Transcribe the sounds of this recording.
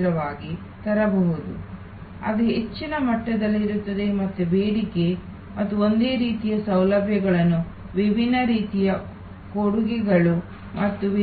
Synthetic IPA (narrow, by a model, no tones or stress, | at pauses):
ɾɐʋaːɡi | t̪ɐɾɐbɐɦud̪ṵ | ɐ̰d̪eet͡ʃːinɐmɐʈːɐd̪ɐlːiɾut̪ːɐd̪e̞mɐt̪ːubeːɽike̞ | mɐt̪ːuo̞nd̪e̞ːɾiːt̪ijɐsɐwlɐbʱjɐɡɐɭɐnːu | ʋibʱinːɐɾiːt̪ijɐ | koɽuɡɛɡɐɭu | mʔɐt̪ːuʋi